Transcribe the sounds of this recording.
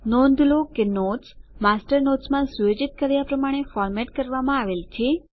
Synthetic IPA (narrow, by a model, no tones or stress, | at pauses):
nɔ̃nd̪ʱlokenoʈsmasʈəɾnoʈsmãsujod͡ʒit̪̚kəɾjapɾəmaɽ̃efɔɾmɛʈkəɾʋamãaʋelt͡ʃʰe